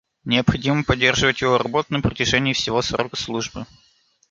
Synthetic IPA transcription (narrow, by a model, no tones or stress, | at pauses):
nʲɪəpxɐdʲiməpɐdʲːe̞rʐɨvətʲjɪvoɾɐbot̪nɨmpɾətʲɪʐɛnʲɪːfsʲɪvo̞sro̰kə̥slˠuʐbɨ